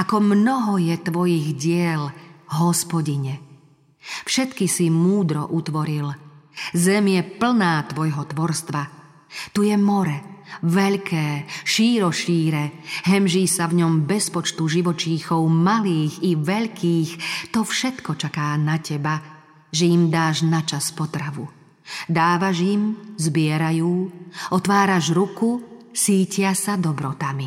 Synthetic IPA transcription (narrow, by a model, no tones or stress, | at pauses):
ʔakɔmnɔɦɔjɛt̪ʋɔjiɣɟɪɛlɦɔspɔɟiɲɛ | fʃɛt̪kisimuːd̪ɾɔ̰ʔut̪ʋɔɾilzɛmjɛpl̩naːt̪ʋɔjɦɔt̪ʋɔɾst̪ʋa | t̪ujɛmɔɾɛʋɛʎkʰɛːʃiːɾɔʃiːɾɛɦɛmʒiːsavɲɔmbɛspɔt͡ʃt̪uʒiʋɔt͡ʃiːxɔʊmaliːxiʋɛʎkʰiːxt̪ɔfʃɛt̪kɔt͡ʃakaːnacɛba | ʒɛimd̪aːʒnat͡ʃaspɔt̪ɾaʋu | d̪aːʋaʒimzbɪɛɾajuːɔt̪ʋaːɾaʒɾukusiːcɪasad̪ɔbɾɔt̪ami